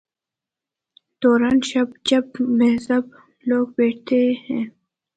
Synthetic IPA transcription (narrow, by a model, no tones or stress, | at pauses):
d̪̥oːɾaːnʃɐb̚t͡ʃɐb̚meɦzɐb̚ | loːɡ̚beːʈʰt̪ʰehɛ̃ː